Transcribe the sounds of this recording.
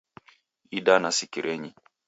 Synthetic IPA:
iɗanasikiɾʔɛɲi

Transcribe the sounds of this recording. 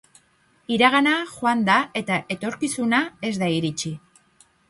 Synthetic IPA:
iɾaɣanaxoand̪ae̞t̪aʔe̞t̪o̞ɾkisunae̞zd̪aiɾit͡ʃi

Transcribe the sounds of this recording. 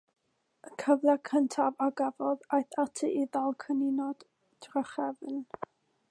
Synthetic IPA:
əkʰəvlˠakʰəntʰavaɡavɔðajθatʰiʔiðalˠkʰənɪnɔd̥ | d̥raχɛvn

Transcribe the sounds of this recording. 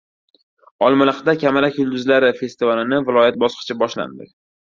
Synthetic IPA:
ɒlˠmɪlɪqd̪akʲʰamalakʲjʊlˠd̪ʊzlaɾɪfe̞st̪ivalɪnɪvɪlˠɒjat̪̚bɒsqʰɨ̥t͡ʃʰabɒʃla̰nd̪ɪ̰kʲ

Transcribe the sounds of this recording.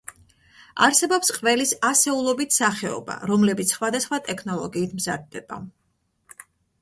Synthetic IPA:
aɾsɛbɔpsqʼvɛlisasɛulˠɔbit̪ʰsaχɛɔ̰ba̰ɾɔmlɛbit̪ssχwad̪asχwat̪ʼɛkʰnɔlˠɔɡiːt̪ʰmzad̪̚ːɛb̥a̰

